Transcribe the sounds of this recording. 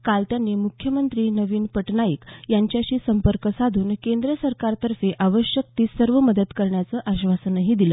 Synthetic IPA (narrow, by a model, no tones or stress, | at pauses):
kalt̪janːiːmukʰjəmənt̪ɾiːnəʋiːnpəʈnaiːkjaɲt͡ɕjaɕiːsəmpəɾkəsad̪ʱuːnkend̪ɾəsəɾkaɾt̪əɾfeʔaʋəɕjəkt̪iːsəɾʋəməd̪əd̪kəɾɳjat͡səːʔaɕʋasənəɦiːd̪iləː